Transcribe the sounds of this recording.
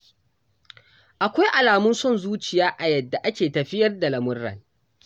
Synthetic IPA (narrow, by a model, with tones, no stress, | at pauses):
ʔa˨kʷa˦jʔa˨laː˨mʊ˦nsɔ˦nzuː˦t͡ʃɪ˨jaː˦ʔa˨jɐ˨dːa˨ʔa˦kʲeː˨tɐ˨ɸɪ˦jɐ˦rda˨lɐ˨mʊ˦rːɐ̰˨ŋ